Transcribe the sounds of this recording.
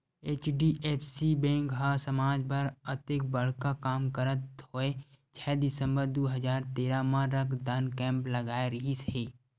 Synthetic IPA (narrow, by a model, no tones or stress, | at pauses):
eːt͡ʃɖiʔeːpʰsibɛ̃ːŋkɦasəmaːd͡ʒbəɾət̪ek̚bəɽ̤kakaːmkəɾət̪hoːe | t͡ʃʰɛːd̪ɪsə̃mbəɾd̪uːɦəzaːɾt̪eːɾamãɾəkʰd̪ənkɛ̃ːmpləɡaːeɾəɦisiː